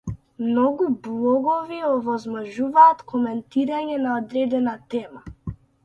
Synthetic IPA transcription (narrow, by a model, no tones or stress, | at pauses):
mnɔɡublˠɔɡɔviɔvɔzmɔʒuvaːt̪kʰɔmɛnt̪iɾaɲɛnaɔd̪ɾɛd̪ɛnat̪ɛma